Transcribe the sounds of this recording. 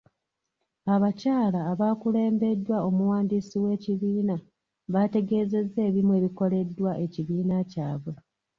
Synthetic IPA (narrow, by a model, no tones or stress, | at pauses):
aβacaːlaːβaːkule̞ːmbe̞dːwao̞muwaːndiːsiwe̞ːciβiːna | βate̞ɡe̞ːze̞zːe̞ːβimwe̞ːβiko̞le̞dːwaʔe̞ciβiːnacaːβwe